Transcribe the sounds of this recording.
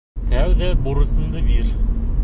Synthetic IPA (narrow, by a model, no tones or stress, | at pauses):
t̪ʲʰæwd̪æbuɾəsənd̪əbiɾ